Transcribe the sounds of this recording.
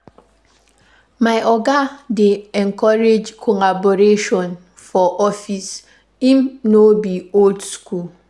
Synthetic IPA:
maɪʔɔɡadeɛŋ̩kɔɾed͡ʒkʰɔlaboɾeʃɔ̃n | fɔʔɔfis | imnobioldskul

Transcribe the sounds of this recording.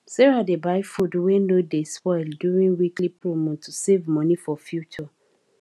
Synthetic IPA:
sɛɹadebaɪfudwenodespɔɪldjuɹĩnwiklipɹomɔ̃tʰusevmɔnifɔfjut͡ʃɔ

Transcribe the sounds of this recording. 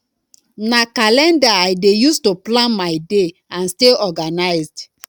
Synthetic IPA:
nakalɛ̃ndaaɪdejustoplãnmaɪde | ãnsteɔɡanaɪzd

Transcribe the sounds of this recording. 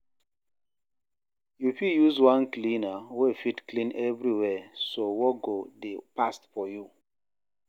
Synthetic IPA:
jupijuzwãnklĩnawɛfitklĩnɛvɹiwɛsowɔɡodepastfɔju

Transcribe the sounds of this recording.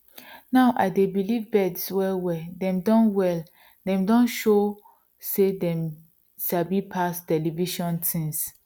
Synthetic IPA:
naʊʔaɪdebilivbɛdswɛwɛdɛ̃mdɔ̃nwɛl | dɛ̃mdɔ̃nʃo | sedɛ̃m | ʃabipʰastɛliviʃɔ̃ntʰĩŋs

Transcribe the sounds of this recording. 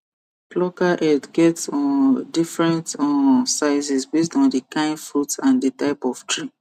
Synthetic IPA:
plɔkaʔɛdɡɛtsɔ̃ndifɹɛ̃ntɔnsaɪzisbes̬tɔ̃ndəkãɪ̃nfɹutãndətaɪpɔftʰɹi

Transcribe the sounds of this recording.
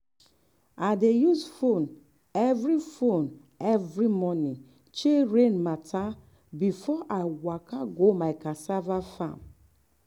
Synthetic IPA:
adejuzfon | ɛvɾifon | ɛvɾimɔni | t͡ʃeɾenmata | bifɔʔawakaɡomaɪkasavafa̰m

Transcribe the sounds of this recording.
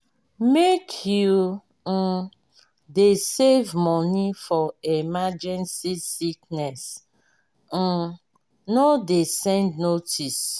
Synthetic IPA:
mekʰju | desevmɔnifɔemad͡ʒɛ̃nsisiknɛs | nodesɛ̃ndnotis

